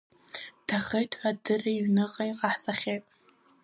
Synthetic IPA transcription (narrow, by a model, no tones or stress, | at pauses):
tʰaχejtʰħʷadɨraiɥnɨqʼaiqʼaħt͡sʼaχʲejtʼ